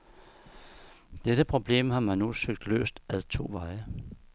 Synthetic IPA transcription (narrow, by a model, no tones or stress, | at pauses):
d̥ed̥əpʰʁo̝b̥le̝̰ːmhɑ̈mænnusøɡ̥̚d̥lø̰ːsd̥æðˠt͡sʰo̝̰ːʋɑ̈ɪə